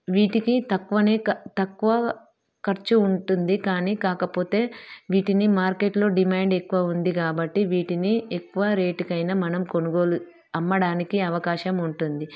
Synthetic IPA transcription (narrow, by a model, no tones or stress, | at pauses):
ʋiːʈikit̪ɐkːuʋɐneːt̪ɐkːuʋɐ | kɐɾt͡ʃuːɳʈund̪ikaːniːkaːkɐpo̞ːt̪e̞ːʋiːʈinimaːɾkeʈlo̞ːɖimaːɳɖekːuʋɐund̪ikaːbɐʈːiʋiːʈiniekːuʋɐɾe̞ːʈkɐjnɐmɐnɐmko̞nuɡo̞ːlu | ɐmːɐɽaːnikiɐʋɐkaːʃɐmuɳʈund̪i